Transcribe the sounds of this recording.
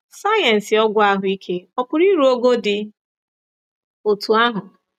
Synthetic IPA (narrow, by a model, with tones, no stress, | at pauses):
sa˦jɛ˨n̩˨sɪ˨ɔ˦ɡʷa˦ɦʊ˨i˦kʰe˦ɔ˦pʊ˨ɾi˦ɾu˦o˦ɡo˦dɪ˨ | o˨tu˨a˦ɦʊ˨